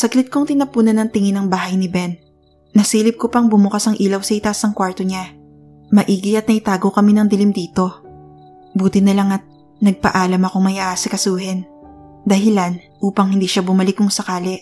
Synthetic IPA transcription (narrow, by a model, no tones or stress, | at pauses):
sɐɡlɪt̪̚koŋt̪ɪnɐpuːnɐnɐŋt̪ɪŋɪnɐŋbaːɦɐjnɪbɛnː | ɐsiːlɪb̚kopɐŋbʊmʊkasɐŋʔiːlɐwsɐʔɪt̪asɐŋkwaɹt̪oɲa | mɐʔiːɡɪɐt̪̚nɐʔɪt̪aːɡokɐminɐŋd̪ɪlɪmd̪iːt̪o̞ | buːt̪ɪnɐlaŋɐt̪̚ | nɐɡ̚pɐʔaːlɐmɐko̞ŋmɐjaːsɪkɐsuːhɛn | d̪ɐhɪlan | ʔuːpɐŋhɪnd̪iːʃabʊmɐlɪkʊŋsɐkaːlɛʔ